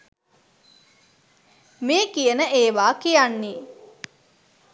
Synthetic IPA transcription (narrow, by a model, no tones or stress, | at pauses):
meːkijənəʔeːʋaːkijanːi